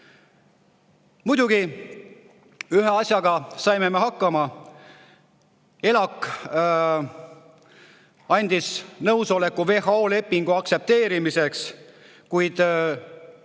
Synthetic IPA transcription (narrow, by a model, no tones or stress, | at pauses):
mud̪̥uɡ̥i | yɦeɑsʲjɑɡ̥ɑsɑjme̞me̞ɦɑkːɑmɑ | e̞lɑkːˑ | ɑnʲd̪̥isnɤwso̞le̞kːˑuve̞ɦɑo̞ːle̞pːiŋɡ̥uɑkt̪se̞p̚t̪e̞ːɾimise̞ks | kujd̪̥